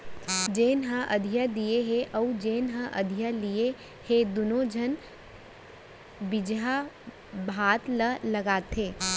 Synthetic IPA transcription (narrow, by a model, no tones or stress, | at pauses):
d͡ʒeːnɦə̃ʔɐd̪ʱijad̪ijeɦeʔɐud͡ʒeːnɦə̃ʔɐ̰d̪ʱijalie | hed̪ʊnod͡ʒʱən | bɪd͡ʒɦa | bʱaːt̪ləlɐɡaːt̪eː